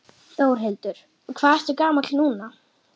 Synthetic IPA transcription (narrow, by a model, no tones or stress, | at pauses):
θoːwɾ̥ɦejlt̪ʏɾ̥ | kʰvaːðɛɾ̥t̪ʏɾkaːmalnuːna